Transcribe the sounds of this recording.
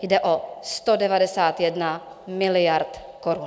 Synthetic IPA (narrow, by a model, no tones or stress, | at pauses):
jdɛʔost̪odɛvadɛsaːt̪jɛdna | mɪlɪjaɾt̪ | koɾun